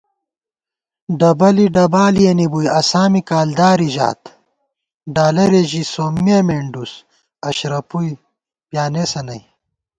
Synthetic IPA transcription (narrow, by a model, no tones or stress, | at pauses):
ɖɐbɐliɖɐbaːlijɐnibujɐsaːmikaːld̪aːɾiʑa̰ːt̪ | ɖaːlɐɾeʑisoːmːiemeɳɖus | ɐɕɾɐpuj | pjaːnesɐnɐj